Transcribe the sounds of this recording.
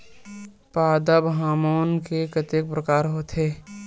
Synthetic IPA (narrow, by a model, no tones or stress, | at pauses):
paːd̪əbɦaːmoːnkekət̪ek̚pɾəkaːɾɦot̪ʰeː